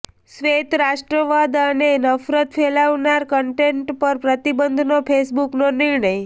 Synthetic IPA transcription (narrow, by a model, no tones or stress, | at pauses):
sʋet̪ɾaʃʈɾəʋad̪ənenəfɾət̪fʰelaʋnaɾkəɳʈeɳʈpəɾpɾət̪ibənd̪ʱnopʰesbuknonɪɾɳəj